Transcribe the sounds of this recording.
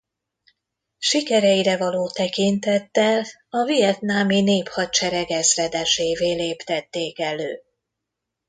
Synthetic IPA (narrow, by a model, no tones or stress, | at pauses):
ʃikɛɾɛjiɾɛvɒloːt̪ɛkint̪ɛt̪ːɛl | ɒvijɛt̪naːmineːphɒt͡ʃɛɾɛɡɛzrɛd̪ɛʃeːveːleːpt̪ɛt̪ːeːkɛløː